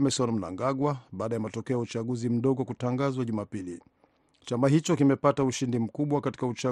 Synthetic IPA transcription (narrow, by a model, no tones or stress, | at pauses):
mɛsɔnm̩na̰ŋɡaɠwaɓaːɗajamatɔkɛɔjaut͡ʃaɠuzim̩ɗɔɠɔkutaŋɡazwaʄumapili | t͡ʃamaɦit͡ʃɔkimɛpatauʃindim̩kuɓwakati̥kaut͡ʃa